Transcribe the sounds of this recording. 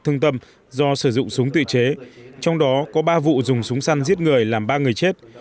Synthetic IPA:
t̪ʰɨ˧ŋt̪ə˧m | zɔ˧sɨː˧˩zʊ̰˧˨ŋ͡msʊ˨˦ŋ͡mt̪ɨ̰˧˨t͡ɕe˨˦t͡ɕɔ˧wŋ͡mɗɔ˨˦kɔ˨˦ɓaː˧vṵ˧˨zʊ˨˩ŋ͡msʊ˨˦ŋ͡msa˧nzi˦˥ət̚ŋɨ˨˩əjlaː˨˩mɓaː˧ŋɨ˨˩əjt͡ɕe˦˥t̚

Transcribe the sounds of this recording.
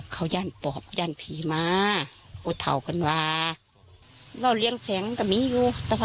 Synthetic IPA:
kʰa˨˩wjaː˧˥˩npɔː˨˩˦p̚jaː˧˩˨npʰiː˨˦maː˧huː˧˩t̪ʰa̰˨˩wka˨nwaː˧ | la˧˩˨wli˧˨əŋsɛː˨˦ŋka˧˩miː˧˥˨juː˧t̪ɛː˧wa˧

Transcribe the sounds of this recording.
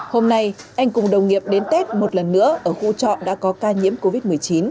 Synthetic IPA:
ho˧mna˧jʔa˧jŋ̟kʊ˨˩ŋ͡mɗə˨˩wŋ͡mŋi˨əp̚ɗe˨˦nt̪e˦˥t̚mo˨˩t̚lə˨˩nːɨ̰˧˥əʔəː˧˩xṵ˧˥t͡ɕɔ̰˧˨ɗa̰ː˧˥kɔ˨˦kaː˧ɲḭ˧˥əmko˧vi˦˥t̚mɨ˨˩əjt͡ɕi˨˦n

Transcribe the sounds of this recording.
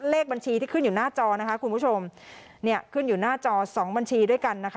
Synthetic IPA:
leː˥˩k̚ba˧nt͡ɕʰiː˧t̪ʰiː˥˩kʰɯ˥˩njuː˨˩naː˥˩t͡ɕɔː˧na˦˥kʰa˦˥kʰu˧npʰu˦˥˩t͡ɕʰo˧m | ni˥˩ɐkʰɯ˥˩njuː˨˩naː˥˩t͡ɕɔː˧sɔː˩˦ŋba˧nt͡ɕʰiː˧du˥˩əjka˧nːa˦˥kʰa˦˥

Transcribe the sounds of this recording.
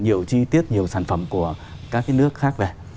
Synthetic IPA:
ɲi˨˩əwt͡ɕi˧t̪i˦˥ət̚ɲi˨˩əwsaː˧˩jŋ̟fə̰˧˩mku˧˩ə | kaː˦˥k̚ːaː˨˦nɨ˦˥ək̚xaː˦˥k̚ve˨˩

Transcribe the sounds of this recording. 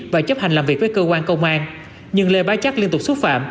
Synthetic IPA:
vaː˨˩t͡ɕə˦˥p̚ha˨˩ŋ̟laː˨˩mvi˨˩k̚vəː˨˦jkəː˧kwaː˧nkə˧wŋ͡mʔaː˧n | ɲɨ˧ŋle˨˩ɓaː˨˦jt͡ɕa˦˥k̚li˧ənt̪ʊ˨˩k͡p̚swt̚fa̰ː˧˨m

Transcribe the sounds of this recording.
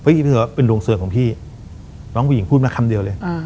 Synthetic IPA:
pʰɔ˦˥˨wa˦˥˩pe˧nɾoː˧ŋsɯ˧˩ŋkɔː˩˦pʰiː˥˩ | nɔː˦˥ŋʰpuː˧˩ji˨˦pʰuː˥˩t̚ma˦˥˩kʰa˧mdi˧əwlɤː˧j

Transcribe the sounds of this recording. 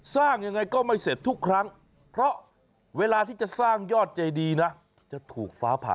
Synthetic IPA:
saː˥˩ŋja˧ŋːa˧jkɔː˥˩ma˥˩jse˨˩t̪ʰːu˦˥kʰːɾa˦˥ŋ | pʰɾɔ˦˥ʔ | weː˧laː˧t̪ʰiː˥˩t͡ɕa˨˩saː˥˩ŋjɔː˥˩t̪̚t͡ɕa˧jdiː˧na˦˥ | t͡ɕa˨˩t̪ʰuː˨˩k̚faː˦˥pʰa̰ː˨

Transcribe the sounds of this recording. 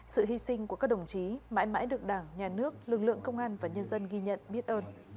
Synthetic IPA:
sɨ̰˧˨ɦi˧sï˧ŋ̟kkaː˦˥k̚ɗə˨˩wŋ͡mt͡ɕi˨˦ma̰ː˧˥jma̰ː˧˥jɗɨ˨˩ək̚ɗaː˧˩ŋɲaː˨˩nɨ˦˥ək̚lɨ˨˩k̚lɨ̰˧˨əŋkə˧wŋ͡mʔaː˧nvaː˨˩ɲə˧nzə˧nɣi˧ɲə̰˧˨nɓi˦˥ət̚ʔəː˧n

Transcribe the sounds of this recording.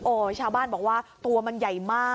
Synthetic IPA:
ʔoː˧˩t͡ɕʰaː˧wbaː˥˩nbɔː˨˩k̚waː˥˩t̪u˧ɐma˧nja˨˩jmaː˥˩

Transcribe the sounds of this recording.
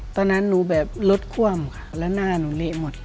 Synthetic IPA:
t̪ɔː˧˨na˦˥˨nːuː˨˦bɛː˨˩p̚lo˧˦˥t̪̚kʰu˧˥˩əmkʰḁ˧lɛː˧˥naː˧˥˩nuː˨˦le˧˨ʔmo˨˩t̪̚

